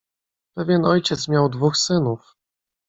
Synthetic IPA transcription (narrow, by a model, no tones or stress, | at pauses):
pɛvʲjɛnɔjt͡ɕɛt̪smʲjawd̪vuxsɘnuf